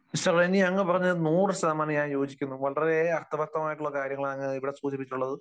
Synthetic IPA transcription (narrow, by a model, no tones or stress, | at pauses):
iɕɐreniɐŋːɨpɐrɐɲːɨnuːrɐsɐmaːnɐjaːnjo̞ːd͡ʑikʲːunːuʋɐɭɐɾeɐrt̪ʰɐʋɐk̚t̪ɐmaːjiʈːuɭːɐkaːɾjɐŋːɐɭaːŋːɨiʋiɽesuːt͡ɕipːit͡ɕːʈːuɭːɐðɨ